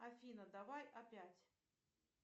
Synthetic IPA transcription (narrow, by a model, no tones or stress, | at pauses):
ɐfʲinɐd̪ɐvajɐpʲatʲ